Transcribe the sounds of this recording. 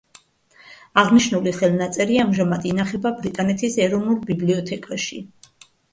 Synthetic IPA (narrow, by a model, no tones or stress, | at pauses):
aʁniʃnuliχɛlˠnat̪sʼɛɾiamʒamad̪inaχɛbabɾit̪ʼanɛt̪ʰisɛɾɔnulˠbibliɔt̪ʰɛkʼaʃḭ